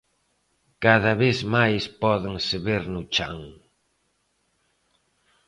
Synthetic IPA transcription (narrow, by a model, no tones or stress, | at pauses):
kaðɐβeθmajspɔðeŋsɪβeɾnʊt͡ʃa̰ŋ